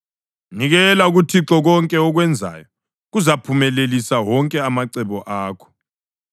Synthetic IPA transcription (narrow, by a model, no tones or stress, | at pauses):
niɣɛlauɣutʰiǁɔɣɔŋkʼɛɔɣwɛnd͡zʱa̰jɔ | ɣuzapʰumɛlelisawɔŋkʼɛamaǀɛβɔʔaːkʰɔ̥